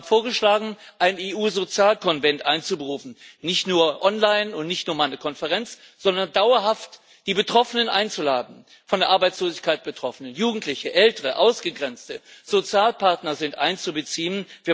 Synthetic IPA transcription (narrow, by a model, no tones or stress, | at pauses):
foːɐɡəʃlaːɡŋ̩ | ʔaɪneːʔuːzot͡sjaːlkʰɔnvɛntʔaɪnt͡subəʁuːfn̩nɪçtnuːɐʔɔnlaɪnʊntnɪçtnuːɐmaɪnəkʰɔnfəʁɛnt͡s | z̥ɔndɐndaʊɐɦaft | d̥iːbətʁ̥ɔfənənʔa̰ɪnt͡sula̰ːdn̩ | fɔndeːɐʔaɐbaɪt͡sloːzɪçkʰaɪt̚b̥ətʁ̥ɔfənənjuːɡŋ̩tʰlɪçəʔɛltəʁəʔaʊsɡ̥əɡʁɛnt͡stəz̥ot͡sjaːlpʰaɐtnɐzɪntʔa̰ɪnt͡subət͡siːənviːɐ